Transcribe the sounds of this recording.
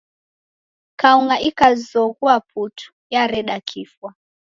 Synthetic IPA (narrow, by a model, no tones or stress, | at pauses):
kauŋɡaʔikazɔɣuap̚ʰutʰu̥ | jaɾɛɗakʰifwa